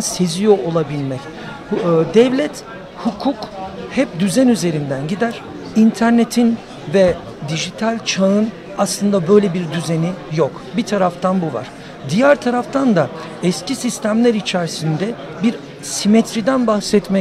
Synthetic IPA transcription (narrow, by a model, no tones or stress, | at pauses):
sezijo̞ʔolˠabilʲmɛc | d̪ɛvlʲɛt̪ | hukʰukhɛpd̪yzænyze̞ɾind̪ænɟid̪æɾ̥ | int̪ʰæɾnet̪ʰin | vɛ | d̪iʒit̪ʰalʲt͡ʃʰaɯn | aslˠɯnd̪abø̞jlʲebiɾd̪yzenijok | bit̪ʰaɾaft̪ʰanbuva̰ɾ̥ | d̪ijæɾt̪ʰaɾaft̪ʰand̪a | ɛscʰisist̪ʰæmlʲæɾit͡ʃʰæɾsind̪ɛ | biɾ | simɛt̪ʰɾid̪ænbaxsɛt̪mɛ